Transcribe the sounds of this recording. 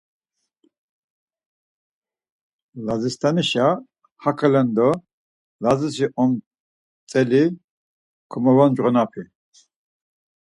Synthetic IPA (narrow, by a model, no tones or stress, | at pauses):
lazist̪ʰaniʃa | hakʰalɛnd̪ɔ | lazisiʔɔm | t͡sʼɛli | kʰɔmɔvand͡ʒʁɔnapʰi